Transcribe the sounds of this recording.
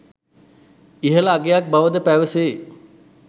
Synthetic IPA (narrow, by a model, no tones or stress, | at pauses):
iɦəlaːɡejak̚baʋəd̪əpæʋəseː